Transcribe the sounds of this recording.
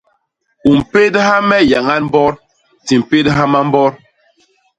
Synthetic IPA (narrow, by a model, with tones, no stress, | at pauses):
u˨m̩˨pe˦dha˦mɛ˦ja˨ŋa˦nm̩˦bɔ˦ɾ | ti˨m̩˨pe˦dɦa˦ma˦m̩˦bɔ˦ɾ